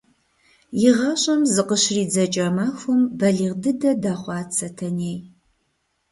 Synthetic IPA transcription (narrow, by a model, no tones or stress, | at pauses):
jɪʁɐɕʼɐmzɨqəɕriːd͡zɐt͡ʃʼɐmaxʷɔmbɐɮiːʁdɨdɐdaːχʷɑːt͡sʰɐtʰɐneːj